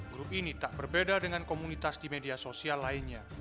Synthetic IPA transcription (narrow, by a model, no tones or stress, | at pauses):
ɡɾup̚init̪aʔbərbedadəŋankomunit̪asdimediasosialːaɪnɲa